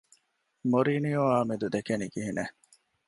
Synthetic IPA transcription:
moɾiːnijoaːmid̪ud̪ekeniɡiɦine

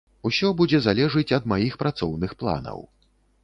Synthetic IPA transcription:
usʲɔbud͡zʲɛzalʲɛʐɨt͡sʲɐd̪majixpɾat̪sɔwnɨxplˠa̰nɐ̰w

